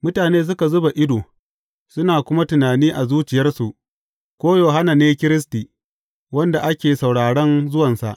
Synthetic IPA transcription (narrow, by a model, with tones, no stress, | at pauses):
mʊ˦taː˨neː˦s̬ʊ˦ka˨zʊ˦ba˨ʔɪ˦doː˨ | sʊ˦naː˨kʷʊ˦ma˦tʊ˨naː˨niː˦ʔa˨zuː˦t͡ʃɪ˨jɐ˦rsu˨ʔ | kʷoː˦joː˨ɦa˦na˨neː˦kʲɪ˦ɾɪ˦s̬tiː˨ | wɐ˦nda˨ʔa˦kʲeː˨sa˨wɽaː˨ɽɐ˦nzʊ˦wɐ˨nsa̰˨ʔ